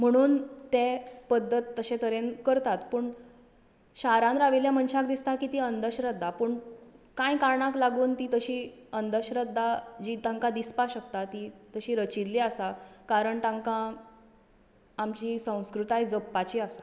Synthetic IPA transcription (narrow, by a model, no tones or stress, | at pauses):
m̤əɽ̃uːnt̪epəd̪ːət̪ːəɕẽt̪əɾenkəɾt̪at̪pəːɳ | ɕaɾãnɾaʋiljam̤ənɕakd̪ist̪akiːt̪iːənd̪əɕɾəd̪ʱːapəːɳkãjkaɾɳaklaɡuːnt̪iːt̪əɕiːənd̪əɕɾəd̪ʱːad͡ʑiːt̪ãŋkad̪ispaɕəkt̪at̪iːt̪əɕiːɾət͡ɕilːeasakaɾəɳt̪ãŋkã | mt͡ɕiːsə̃w̃skɾut̪ajd͡zəpːat͡ɕiːasḁ